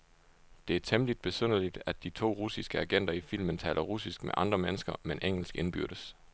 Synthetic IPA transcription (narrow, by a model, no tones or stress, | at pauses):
d̥e̝æɐt͡sʰemlid̥̚b̥e̝søn̰əlid̥æd̥ːit͡sʰo̝̰ːʁusisɡ̥əæɡ̥en̰d̥ɐifil̰mənt͡sʰɛ̰ːlɐʁusisɡ̥mḛʔɑ̈nd̥ʁɐmenəsɡ̥ɐmenʔeŋ̰l̩sɡ̥e̝nb̥yɐ̰ɾ̥əs